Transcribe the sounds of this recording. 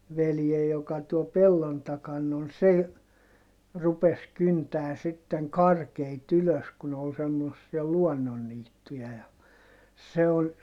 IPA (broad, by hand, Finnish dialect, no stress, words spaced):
ʋeljej jokɑ tuol pelːon tɑkɑn on se j rupes kyntæː sitːeŋ kɑrkeit yløs ku ne ol semːosːiɑ luɔnːonːiːtːujɑ jɑ se on